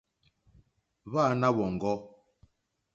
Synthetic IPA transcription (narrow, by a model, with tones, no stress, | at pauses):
βa˦˨na˦βɔ˨ŋ̩˨ɡɔ˦